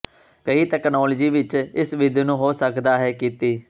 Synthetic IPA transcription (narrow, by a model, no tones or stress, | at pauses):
kəiːt̪ɛːknɔːləd͡ʒiːʋɪt͡ʃɪsʋɪd̪inũːɦoːsəkd̪aːɦɛːkiːt̪iː